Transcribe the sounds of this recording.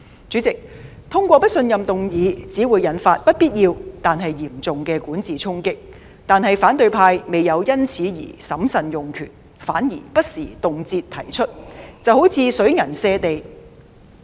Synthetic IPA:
t͡sy˨˥t͡sɪ˨k̚t̪ʰʊ˥ŋkʷɔː˧pɐ˥t̚sɵ˧njɐ˨mt̪ʊ˨ŋjiː˨˧t͡siː˨˥wuː˨˧jːɐ˨˥nfaː˧t̚pɐ˥t̚piː˥t̚jiː˧wt̪aː˨nɦɐ˨jːiː˨˩mt͡sʊ˨ŋkɛː˧kuː˨˥nt͡siː˨t͡sʰʊ˥ŋkɪ˥k̚ | t̪aː˨nhɐ˨jfaː˨˥nt̪ɵ˨˧ɥpʰaː˧jme˨˩jjɐ˨˧wjɐ˥nt͡sʰiː˨˥jḭː˨˩sɐ˨˥msɐ˨njʊ˨ŋkʰy̰ː˨˩n | faː˨˥njḭː˨˩pɐ˥t̚siː˨˩t̪ʊ˨ŋt͡siː˧t̪ʰɐ˨˩jt͡ʃʰɵ˥t̚t͡sɐ˨who˨˥wt͡sʰiː˧sɵ˨˥ɥŋɐ˨˩nsɛː˥t̪e˨j

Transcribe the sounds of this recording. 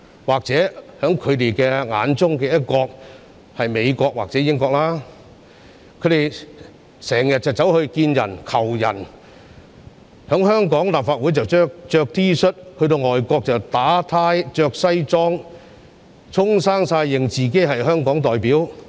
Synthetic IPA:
waː˨˩k̚t͡sɛː˨˥hœː˨˥ŋkʰɵ˨˧ɥt̪e˨˩jkɛː˧ŋa̰ː˨˧nt͡sʊ˥ŋkɛː˧jɐ˥t̚kɔː˧k̚ | hɐ˨jme˨˧jkɔː˧k̚wa̰ː˨k̚t͡sɛː˨˥jɪ˥ŋkɔː˧k̚laː˥ | kʰɵ˨˧˥t̪e˨j | sɛː˨˩ŋjɐ˨t̚t͡sɐ˨˩t͡sɐ˨˧˥whɵ˧kiː˧njɐ̰˨˩nkʰɐ˨˩wjɐ˨˩n | hœː˨˥ŋhœː˥ŋkɔː˨˥ŋlaː˨p̚faː˧t̚wuː˨˥jt͡sɐ˨wt͡ʃœː˥k̚t͡ʃœː˧k̚t̪ʰiː˥sɵ˥t̚hɵ˧t̪o˧wŋɔː˨˩jkɔː˧k̚t͡sɐ˨wt̪aː˨˥t̪ʰaː˥jt͡ʃœː˧k̚sɐ˥jt͡sɔː˥ŋ | t͡sʰʊ˥ŋsaː˥ŋsaː˧jːɪ˨˩ŋt͡siː˨k̬e˥ɦɐ˨jɦœː˥ŋkɔː˨˥ŋt̪ɔː˨jpiː˨˥w

